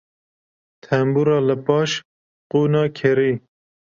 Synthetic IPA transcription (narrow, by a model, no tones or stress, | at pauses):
t̪ʰɛmbuːɾɑːləpɑːʃ | quːnɑːkʰeɾiː